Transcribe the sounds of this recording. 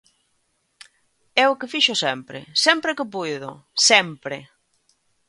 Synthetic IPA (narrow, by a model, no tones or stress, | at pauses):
ɛʊkɪfiʃʊsɛmpɾɪ̰sɛmpɾɪkɪpujðʊ̰sɛmpɾɪ